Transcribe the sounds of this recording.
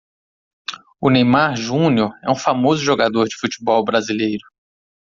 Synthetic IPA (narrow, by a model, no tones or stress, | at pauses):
ʊnejmaɾʒũnioɾɛ̰ũfamozʊʒoɡad̪oɾd͡ʒɪfut͡ʃi̥bɔwbɾazilejɾʊ